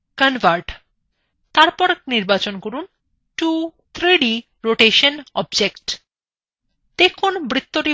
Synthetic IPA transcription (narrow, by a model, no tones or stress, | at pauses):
kənvaɾʈ | t̪aɾpɔɾniɾbat͡ɕonkoɾun | ʈut̪ʰɾiɖi | ɾoʈeʃənɔbd͡ʑekʈ | d̪̥ekʰonbɾit̪ːoʈi